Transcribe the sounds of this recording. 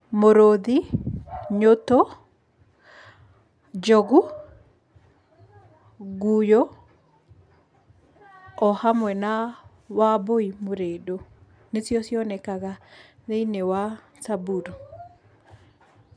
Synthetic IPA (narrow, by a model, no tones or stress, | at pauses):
moɾoði | ɲoto | d͡ʒɔɡu | ɡujɔ | ɔhamwɛna | waboimoɾedo | nesjɔsjɔnɛkaɣa | ðeinewa | sabuɾ